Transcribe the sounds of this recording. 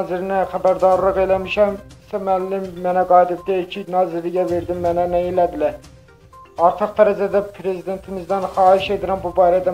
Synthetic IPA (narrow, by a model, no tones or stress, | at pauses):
zɪɾnɪχæbæɾd̪ɑɾlˠəqelɛmɪʃɛmsɛmælːɪmːɛnɛɡɑjd̪ɪp̚d̪ɛkʲʰinɑːzɪɾlɪɡʲɛveɾd̪ɪmːɛnɛnɛilɛd̪ɪlɛ | ɑɾt̪ʰɨqd̪ɛɾɛd͡ʒɛd̪ɛpʰɾezid̪ent̪ʰɪmɪzd̪ɛnχɑːɦiʃed̪ɪɾɛmbubɑɾɛd̪ɛ